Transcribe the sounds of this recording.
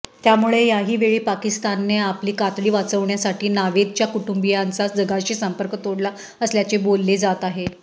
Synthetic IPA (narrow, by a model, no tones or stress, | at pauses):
t̪jamuɭejaɦiːʋeɭiːpakist̪anːeapliːkat̪ɭiːʋat͡səʋɳjasaʈʰiːnaʋed̪̚t͡ɕjakuʈumbijant͡sad͡zəɡaɕisəmpəɾkət̪oɽla | əsljat͡sebolːed͡zat̪aɦe